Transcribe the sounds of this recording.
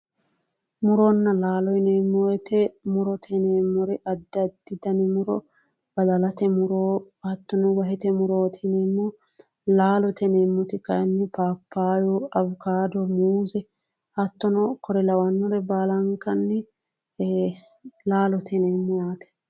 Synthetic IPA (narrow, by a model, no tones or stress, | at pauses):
mʊɾɔnːɐlaːlɔjɪneːmːoɛt̪ɛmʊɾɔt̪ʰɛneːmːɔɾɛʔɐd̪ːɐd̪ːɪd̪ɐnɪmʊɾɔ̰ | b̥ɐd̪ɐlɐt̪ɛmʊɾoː | hɐt̪ːɔnɔwɐɦɛt̪ɛmʊɾoːt̪ʰɛnɛːmːɔ | laːlɔt̪ʰɛneːmːɔt̪ɪkɐjnːɛpaːpːaːjɔɐbʊkaːd̪ɔmuːzɛ | hɐt̪ːɔnɔkʰɔɾɛlɐwɐnːɔɾɛbaːlɐŋkːɐnːɛ | laːlɔt̪ʰɛnɛmːɔjaːt̪ɛ̥